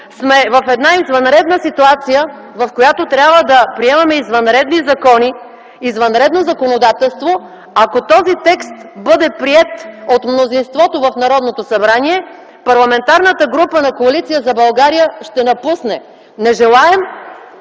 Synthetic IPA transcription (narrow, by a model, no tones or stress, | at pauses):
smɛvɐfɛd̪naizvɐnɾɛd̪nəsit̪uat̪sijə | vɐfkojat̪ot̪ɾʲjabvəd̪ɐpɾiɛmɐmɛizvɐnɾɛd̪nizɐkɔni | izvɐnɾɛd̪nozɐkonod̪at̪ɛlˠst̪vo | akot̪ɔzit̪ɛkst̪bɤd̪ɛpɾiɛt̪ot̪mnozinst̪vɔt̪ovɐfnɐɾɔd̪not̪osɐbɾaniɛ | pɐɾlˠɐmɛnt̪aɾnət̪əɡɾupənɐkoɐlit̪sijəzɐbɐlˠɡaɾijəʃt̪ɛnɐpusnɛ | nɛʒɛlˠaɛm